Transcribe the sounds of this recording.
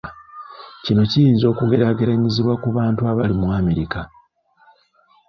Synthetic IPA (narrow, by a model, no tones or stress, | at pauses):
cino̞cijiːnzo̞ːkuɡe̞ɾaɡeɾaɲiziβwakuβaːntuaβalimwaːme̞ɾika